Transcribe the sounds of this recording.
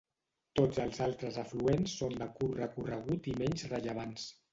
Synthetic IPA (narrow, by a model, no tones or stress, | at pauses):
t̪od͡zəlˠzalˠt̪ɾəzəfluensːond̪əkuɾrəkurəɣut̪imɛɲzrəʎəβ̞ans